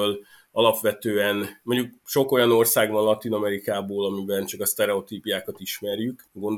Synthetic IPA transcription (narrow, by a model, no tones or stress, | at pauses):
l | ɒlɒpʋɛt̪øːɛnmo̞ɲɟuk̚ʃo̞ko̞jɒno̞rsaːɡbɒnlɒt̪inɒmɛɾikaːboːlɒmibɛnt͡ʃɒkɒst̪ɛɾɛo̞t̪iːpijaːkɒt̪iʃmɛɾjyk | ɡo̞nd̪